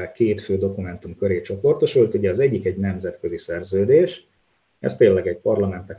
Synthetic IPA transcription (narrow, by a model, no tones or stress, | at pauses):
lkeːt̪føːd̪o̞kumɛnt̪umkøɾeːt͡ʃo̞po̞rt̪oʃult̪uɟɛɒzɛɟːikɛɟnɛmzɛt̪kø̞zisɛrzøːd̪eːʃ | ɛ̰st̪eːnlːɛɡɛɟpɒrlɒmɛnt̪nɛk